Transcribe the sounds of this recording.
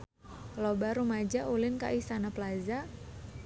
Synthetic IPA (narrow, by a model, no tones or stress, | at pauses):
lɔbaɾumad͡ʒaulɪnka̰ʔist̪anaplaza